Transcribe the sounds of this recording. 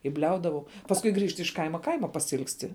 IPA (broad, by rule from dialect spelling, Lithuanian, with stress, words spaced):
ɪ ˈbʲlʲɛʊdɐʋɐʊ pɐsˈkʊɪ ˈɡrʲiːʃt ɪʃ ˈkɐɪmɐ ˈkɐɪmɐ pɐsʲɪɪlˠksʲˈtʲɪ